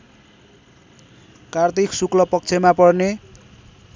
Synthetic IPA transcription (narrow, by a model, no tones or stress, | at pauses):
kart̪iksuklʌpʌk̚t͡sʰemapʌrne